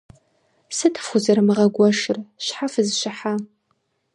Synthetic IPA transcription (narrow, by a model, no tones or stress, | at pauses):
sɨtʰɨ̥fʊzɐrmɨʁɐɡʷɔʃɪrɕħafɨzʃɪħa